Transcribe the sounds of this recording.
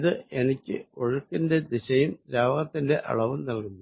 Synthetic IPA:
ðɨe̞nikʲːɨ̰o̞ɻukːinde̞d̪iɕɐjumɾaːʋɐɣɐt̪ːinde̞ʔɐ̰ɭɐʋumnɐlkunːu

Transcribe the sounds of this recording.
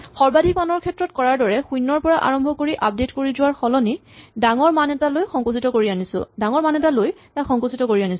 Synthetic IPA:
xɔɹbadʱik̚manɔɹkʰɛtɹɔtkɔɹaɹdɔɹɛxujnːɔɹpɔɹaʔa̰ɹɔmbʱɔkoɹiʔap̚detkoɹizʊwaɹxɔlɔnidaŋɔɹmanɛtalojxɔ̃ŋkusitɔkoɹianisʊ̰daŋɔɹmanɛtalojtaxɔ̃ŋkusitɔkoɹianis

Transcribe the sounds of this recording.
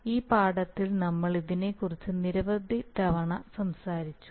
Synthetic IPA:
iːpaːɽɐt̪ːilnɐmːɐɭiðine̞kːurit͡ɕːɨniɾɐʋɐd̪ʱːid̪ɐʋɐɳɐsɐmsaːɾit͡ɕːu̥

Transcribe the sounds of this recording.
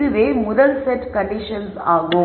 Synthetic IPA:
ɯʋeːmʊðɐlsɛʈkɐɳɖɪʂɐnsaːɣʊ

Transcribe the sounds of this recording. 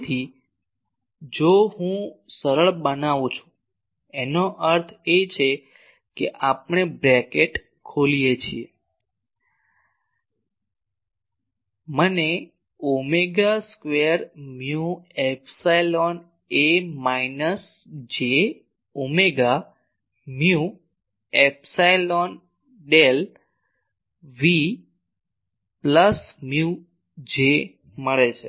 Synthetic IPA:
t̪ʰi | d͡ʒoɦũsəɾəɭbənaʋũt͡ʃʰũ̥ | enoʔəɾt̪ʰet͡ʃʰe | keʔapɳ̃ebɾɛkeʈ | kʰolijet͡ʃʰie | məne | omeɡaskʋeəɾmjuepsajlon | emainəs | d͡ʒe | omeɡa | mju | epsajlon | ɖel | ʋi | pləsmju | d͡ʒe | məɭet͡ʃʰe

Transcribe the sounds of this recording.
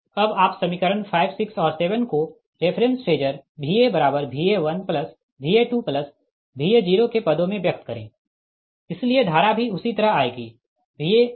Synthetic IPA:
ɐbaːpsɐmikəɾənfʰaːɪbsɪksɔːɾseːʋənko | ɾeːpʰɾə̃nsʈeːd͡ʒəɾbʱiːebɐɾaːbəɾbʱiːeʋɐnpləs | bʱiːeʈuːplɐs | bʱiːed͡ʒiːɾokepɐd̪õmẽʋjɐk̚t̪kɐɾḛ̃ː | ɪslied̪ʱaːɾabʱiʊsit̪ɐɾəɦaːeɡiː | bʱiːe

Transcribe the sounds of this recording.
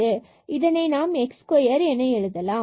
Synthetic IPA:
ɯ | ʔɪðɐnɐɪnaːmɛkskoːjɐɾɛnːɐɛɻɯðɐlãː

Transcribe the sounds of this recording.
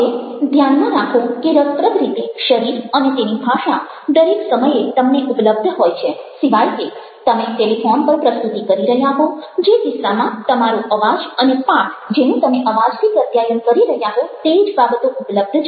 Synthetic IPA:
ed̪ʱjanmãɾakʰõkeɾəst̪ɾəd̪ɾit̪eʃəɾiɾənet̪enibʱaʃa | d̪əɾeksəməjet̪əmneʔupləb̚d̪ʱɦojt͡ʃʰesiʋajke | t̪əmeʈelifɔnpəɾpɾəst̪ut̪ikəɾiɾəɦjaɦod͡ʒed̪ɪsɾamãt̪əmaɾuʔəʋad͡ʒənepãʈd͡ʒenũt̪əmeʔəʋad͡ʒt̪ʰikət̪jajənkəɾiɾəɦjaɦõt̪eid͡ʒbabət̪oʔupləb̚d̪ʱt͡ʃʰ

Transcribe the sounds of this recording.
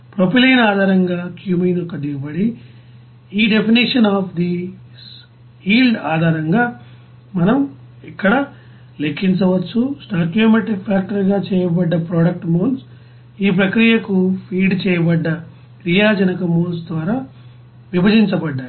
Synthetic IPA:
pɾopilɐjnaːd̪ʱaːɾɐŋɡaːkjuːmiːnɔkɐd̪iɡɐbɐɽi | iːɖe̞pʰiniʂɐnaːpʰd̪i | hiːlɖaːd̪ʱaːɾɐŋɡaː | mɐnɐm | ikːɐɽɐ | lekʰːiɲt͡ʃɐʋɐt͡ʃːusʈaːkjoːmeʈɾikpʰaːk̚ʈɐɾɡaːt͡ʃɛːjɐbɐɖːɐpɾɔːɽɐk̚ʈmoːls | iːp̬ɾɐkɾijɐkupʰiːɖt͡ʃɛːjɐbɐɖːɐ | kɾijaːd͡ʒɐnɐkɐmoːlsd̪ʋaːɾaː | ʋibʱɐd͡ʒiɲt͡ʃɐbɐɖːaːj

